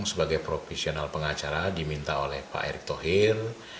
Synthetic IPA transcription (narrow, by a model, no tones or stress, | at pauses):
ŋsəbaɡajpɾofɛsionalpəŋat͡ʃaɾadimint̪aolɛhpa̰ɛ̰ɾɪk̚t̪oɦir